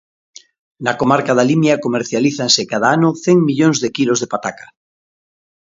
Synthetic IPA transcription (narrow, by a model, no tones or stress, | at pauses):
nakomaɾkaðalimjakomeɾθjaliθaŋsekað̞aanʊθeŋmiʎoŋzðekilozðepat̪akḁ